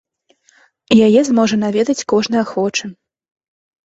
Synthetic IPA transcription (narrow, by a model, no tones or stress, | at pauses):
jajɛzmɔʐɐn̪avʲɛd̪ɐt͡sʲkɔʐn̪ɨjɐxɔt͡ʂɨ